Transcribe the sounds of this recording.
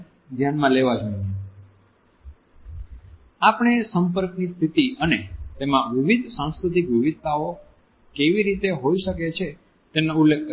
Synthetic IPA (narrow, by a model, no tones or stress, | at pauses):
d̪ʱjanmãleʋad͡ʒoine | apɳ̃esəmpəɾknist̪ʰit̪iʔənet̪emãʋɪʋid̪ʱsãskɾut̪ikʋɪʋid̪̚ʱt̪ao | keʋiɾit̪eɦoiʃəket͡ʃʰe | t̪enoulːek̚